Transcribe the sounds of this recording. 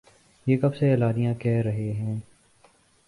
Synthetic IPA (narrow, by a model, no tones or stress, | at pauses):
jeːkɐbseːlaːnɪjãːkɛːɾəɦeɦɛ̃ː